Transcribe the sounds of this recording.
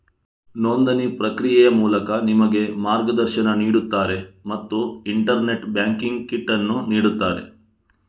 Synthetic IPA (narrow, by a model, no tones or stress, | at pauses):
noːnd̪ɐnipɾɐkɾijɛjɐmuːlɐkɐnimɐɡe̞maːɾɡɐd̪ɐɾʃɐnɐniːɽut̪ːaːɾe̞mɐt̪ːuiɳʈɐɾne̞ʈbjaːŋkiŋɡkiʈːɐnːuniːɽut̪ːaːɾe̞̰